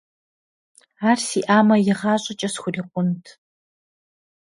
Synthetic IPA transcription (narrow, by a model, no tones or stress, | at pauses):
aːrsiʔaːmɐjɪʁɑːɕʼɐt͡ʃʼɐsxʷʊriːqʷʊntʰ